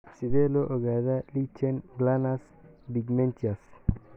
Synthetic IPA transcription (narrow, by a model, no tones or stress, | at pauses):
sɪðɛːlɔʔɔɣaːðalit͡ʃɛnɡlanas | biɡmɛnt̪ʰias